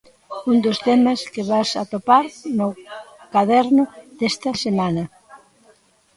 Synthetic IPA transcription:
und̪ʊst̪ɛmɐskɪβasɐ̰t̪opaɾnʊkaðɛɾnʊðest̪ɐsemanɐ

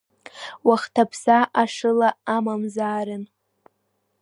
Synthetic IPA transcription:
waχtʰapʰsaʔaʂɨlaːmamzaːɾɨn

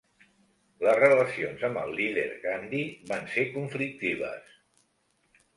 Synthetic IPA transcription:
ləzrələsionzəmbə̰lˠːiðḛɾɣand̪iβansekuɱflik̚t̪iβ̞ə̰s

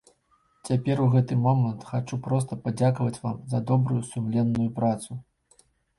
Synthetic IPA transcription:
t͡sʲapʲɛruɣɛt̪ɨmɔmɐnt̪xat͡ʂupɾɔst̪ɐpad͡zʲakɐvɐt͡sʲva̰mzɐd̪ɔbɾujusumlʲɛnːujupɾat̪su

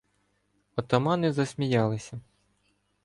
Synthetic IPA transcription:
ɔt̪ɔmɑnɪzɐsʲmʲijɑlˠɪsʲɐ

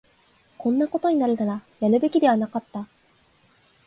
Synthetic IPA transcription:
kõ̞nːako̞t̪o̞ɲ̟inaɾɯt̪aɾajaɾɯ̟be̞kʲid̪e̞βanakat̪ːa

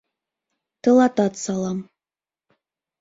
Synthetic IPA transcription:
t̪ɤ̆lˠɑt̪ɑt̪sɑlˠɑm

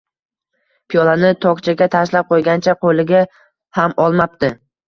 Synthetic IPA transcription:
pʰijɒlanɪt̪ʰɒkt͡ʃʰaɡʲat̪ʰaʃlap̚qʰojɡʲant͡ʃʰaqʰolɪɡʲa | hamɒlˠmap̚t̪ɪ

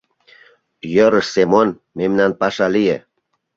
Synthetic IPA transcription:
jəɾəʃsemon | memnanpɑʃɑlijḛ

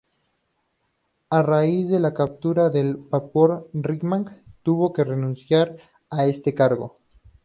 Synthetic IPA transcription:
araizðe̞lakap̚t̪uɾaðe̞lpapoɾriɡmãŋkt̪uβo̞ke̞re̞nũnsjaɾ | ae̞st̪e̞kaɾɣo̞̰

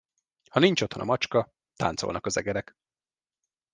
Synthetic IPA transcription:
hɒnint͡ʃot̪honɒ̰mɒt͡ʃkɒ | t̪a̰ːnt̪solɒkɒzɛɡɛɾɛk

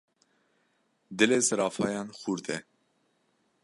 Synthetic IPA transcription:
d̪ɪleːsɨɾɑːfɑːjɑːnxuːɾt̪ʰɛ

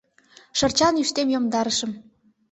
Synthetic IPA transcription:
ʃɤrt͡ɕɑnyʃt̪emjomd̪ɑɾəʃə̆m

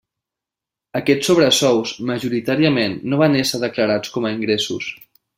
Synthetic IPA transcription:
əkɛt͡sːoβɾəsɔwzməʒuɾit̪aɾiəmenːoβ̞anesəðəkləɾat͡skɔməiŋɡɾesṵs

